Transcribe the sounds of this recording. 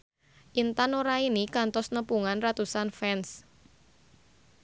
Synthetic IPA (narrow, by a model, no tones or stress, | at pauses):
ʔint̪anoɾainikant̪ɔsnəpuŋanrat̪usanfɛns